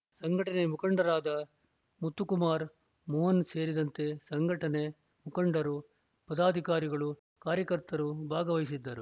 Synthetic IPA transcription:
sɐŋɡʱɐʈɐne̞mukɐɳɖɐɾaːd̪ɐ | mut̪ːukumaːɾ | mɔːɦɐnse̞ːɾid̪ɐnt̪e̞sɐŋɡʱɐʈɐne̞ | mukɐɳɖɐɾu | pɐd̪aːd̪ʱikaːɾiɡɐɭu | kaːɾjɐkɐɾt̪ɐɾubʱaːɡɐʋɐɦisid̪ːɐɾu

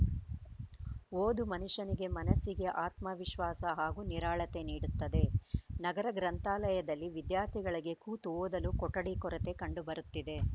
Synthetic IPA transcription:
oːd̪umɐnuʂɐniɡe̞mɐnɐsiɡeʔaːt̪mɐʋiʃʋaːsɐɦaːɡuːniɾaːɭɐt̪e̞niːɽut̪ːɐd̪e̞nɐɡɐɾɐɡɾɐnt̪aːlɐjɐd̪ɐlːiʋid̪jaːɾt̪ʰiɡɐɭiɡe̞kuːt̪uoːd̪ɐlukɔʈːɐɽikɔɾɐt̪e̞kɐɳɖubɐɾut̪ːid̪e̞

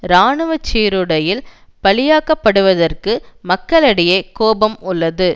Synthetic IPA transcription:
ɾaːɳɯʋɐt͡ʃːiːɾɯɽɐjɪl | pɐɭɪjaːkɐpːɐɽɯʋɐðɐrkɯmɐkːɐɭɐɽɪjɐɪkoːbɐmʊlːɐðɯ

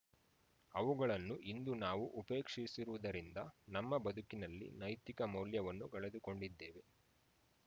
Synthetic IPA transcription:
ɐʋuɡɐɭɐnːuʔind̪unaːʋuʔupe̞ːkʂisiɾuʋud̪ɐɾind̪ɐnɐmːɐbɐd̪ukinɐlːḭnɐjt̪ikɐmɐwljɐʋɐnːuɡɐɭed̪uko̞ɳɖid̪ːeːʋe̞

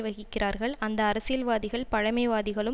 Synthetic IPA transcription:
ʋɐɣɪkkːɪrʔaːɾɣɐɭɐnd̪ɐːɾɐsɪjɐlʋaːðɪɣɐɭpɐɻɐmɐɪʋaːðɪɣɐɭɯ

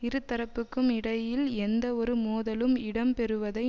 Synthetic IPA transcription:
ɪɾɯt̪ːɐɾɐpːɯkːɯmɪɽɐjɪlɛnd̪ɐɔɾɯmoːðɐlɯmɪɽɐmpɛɾɯʋɐðɐɪ

